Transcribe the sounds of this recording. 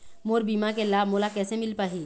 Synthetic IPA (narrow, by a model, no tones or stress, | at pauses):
moːɾbiːmakelaːbmoːlakɛːsemɪlpaːɦiː